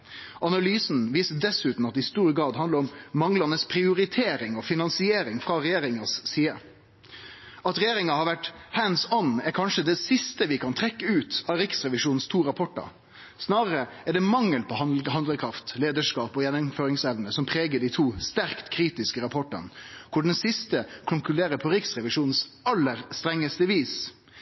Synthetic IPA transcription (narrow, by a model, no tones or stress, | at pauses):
ʔɑnɑlyːsnʋiːsəd̪ɛsʉːt̪n̩ɑt̪ːɪst̪uːɾəɡɾɑːd̪ɦɑnd̪əɾɔmːɑŋlɑnəspʰɾɪʊɾɪt̪ʰeːɾɪŋɔfɪnɑnsɪeːɾɪŋfɾɑɾɛjeːɾɪŋɑsːiːə | ɑt̪ɾɛjeːɾɪŋɑhɑɾʋæʈhæːnsɔnːæɾkʰɑnʂəd̪ɛsɪst̪əʋɪkʰɑnt̪ʰɾɛkːəʉːt̪ɑːɾɪksɾɛʋɪʂuːnn̩st̪ʰuːɾɑpʰɔʈːɑ̰ɾ | snɑːɾəɾə | æɖɛmɑŋːəlpʰɔhɦɑnd̪ləkʰɾɑft̪leːd̪əʂkɑːpɔjɛnːʊmføːɾɪŋsɛʋnəsɔmpʰɾeːɡəɖiɪt̪ʰuːst̪æɾkt̪kʰɾiːt̪ɪskəɾɑpʰɔʈə̰nkʰʊɖɛnsɪst̪əkʰʊŋkʉleːɾəpʰɔɾɪksɾɛʋɪʂuːnn̩sɑlːəɾst̪ɾɛŋːəst̪əʋiːs